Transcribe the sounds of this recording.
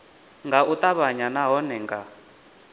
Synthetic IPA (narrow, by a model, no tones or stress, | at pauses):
ŋɡaut̪aβaɲanaɦɔnɛŋɡa̰